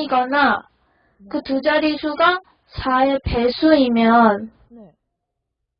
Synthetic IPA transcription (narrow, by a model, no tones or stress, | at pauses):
iɡʌna | kɯtud͡ʑaɾisʰuɡa | t͡ɕʰaepe̞sʰuimjʌn